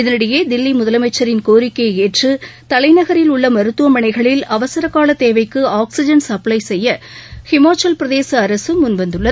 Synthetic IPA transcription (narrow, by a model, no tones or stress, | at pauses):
ɪðɐnɪɽɐjeːd̪ɪlːimʊðɐlɐmɐɪt͡ʃːɐɾɪnkoːɾɪkːɐɪeːʈrɯt̪ɐlɐɪnɐɣɐɾɪlʊɭːɐmɐɾɯt̪ːɯʋɐmɐɳɐɪɣɐɭɪlɐʋɐsɐɾɐkːaːlɐt̪ːeːʋɐɪkːɯaːksɪd͡ʒɐnsɐplɐɪsɛjːɐ | hɛmaːt͡ʃɐlpɪɾɐðeːsɐːɾɐsɯmʊnʋɐnd̪ɯɭːɐð